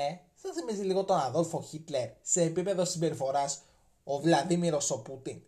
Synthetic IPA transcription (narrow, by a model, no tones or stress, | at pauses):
e | θɐθimiziliɣot̪o̞nɐðo̞lfo̞çit̪le̞ɾse̞ːpipe̞ðo̞simbe̞ɾifo̞ɾɐs | o̞vlɐðimiɾo̞so̞put̪in